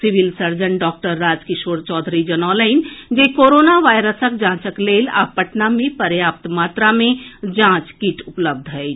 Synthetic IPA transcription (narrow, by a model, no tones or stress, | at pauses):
siʋilsəɾd͡ʒənɖɔːk̚ʈəɾːaːd͡ʒkɪʃoːɾt͡ʃɔːd̪ʱɾid͡ʒənɔlənd͡ʒekoːɾoːnaʋaːjɾəsək̚d͡ʒãːt͡ʃəkleːla̰ːpəʈnamẽpəɾjaːp̚t̪maːt̪ɾamẽd͡ʒãːt͡ʃkiʈʊpləb̚d̪ʱɦɛi